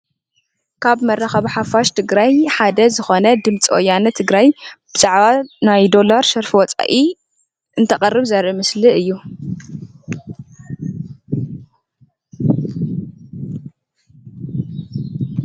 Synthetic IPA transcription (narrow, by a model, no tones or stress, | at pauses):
kʰaβmɐrːɐxɐβħafaʃt̪ʰɨɡɾajħad̪ɐzɨxo̞nɐd̪ɨmt͡sʼʔojanɐt̪ʰɨɡɾajb̥ɨzʼaʕβanajd̪o̞laɾʃɐɾfiwɔt͡sʼa̰ʔi | ʔɨnt̪ʰɐχʼɐrːɨβzɐɾʔɨmɨsliɨjːu